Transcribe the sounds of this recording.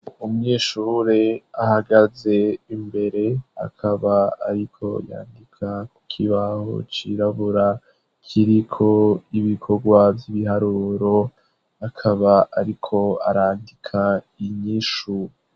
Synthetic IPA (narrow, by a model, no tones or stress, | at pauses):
umŋiːʃuːɾeahaɡaze̞imbe̞ɾe̞a̰kʰaβaa̰ɾikʰo̞̰ja̰ːndikʰaku̥kʰiβaho̰t͡ʃiɾaβuɾa | kʰiɾikʰo̞iβikʰo̞ɡwavjiβiɦaɾuɾo̞ | akʰaβaaɾikʰo̞a̰ɾaːndikʰa | iɲiːʃu